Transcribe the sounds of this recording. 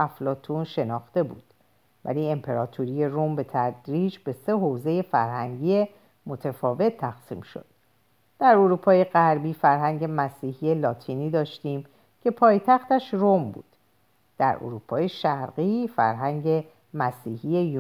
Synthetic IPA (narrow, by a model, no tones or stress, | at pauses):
æflɒːt̪ʰunʃe̞nɒːxt̪e̞buːd̪̥ | væ̰liːe̞mpʰe̞ɾɒːt̪ʰuɾije̞rombe̞t̪ʰæd̪ɾiːd͡ʒbe̞se̞ɦoze̞je̞fæ̰ɾɦæŋɟiːe | mo̞t̪ʰefɒːve̞t̪ʰːæxsḭːmʃo̞̰d̪̥ | d̪̥æɾoɾuːpʰɒːje̞ɣæɾbiːfæɾɦæŋɟe̞mæsiːhije̞lɒːt̪ʰiniːd̪ɒːʃt̪iːm | cʰe̞pʰɒːjt̪ʰæxt̪æʃrombṵːd̪̥ | d̪̥æ̰ɾʔo̰ɾuːpʰɒːje̞ʃæɾɣifæ̰ɾɦæŋɟe̞ | mæsiːhije̞ju